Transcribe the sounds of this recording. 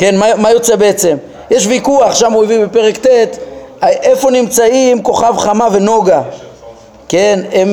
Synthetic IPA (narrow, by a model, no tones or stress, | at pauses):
ke̞nmamajo̞t͡sebeet͡se̞m | jeʃvikuaχʃamuivibepe̞ʁekt̪et̪aʔefo̞nimt͡saimko̞χavχamave̞no̞ɡa | kenem